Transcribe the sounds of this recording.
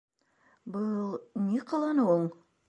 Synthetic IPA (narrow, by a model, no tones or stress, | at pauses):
bɤlˠnʲiqɤ̆lˠɑnɤwɤɴ